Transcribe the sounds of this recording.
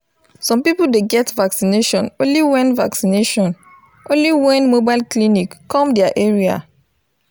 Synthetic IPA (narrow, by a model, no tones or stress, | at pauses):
sɔ̃mpipuldeɡɛtvaksineʃɔ̃nõnliwɛ̃nvaksineʃɔ̃n | ʔõnliwɛ̃nmobaɪlklinikːɔ̃mdɛaʔeɹia̰